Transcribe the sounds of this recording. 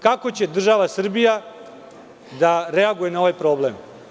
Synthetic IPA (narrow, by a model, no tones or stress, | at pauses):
kako̞t͡ɕe̞d̪r̩ʒaʋasr̩bija | d̪aɾe̞aɡuje̞nao̞ʋajpɾo̞ːblem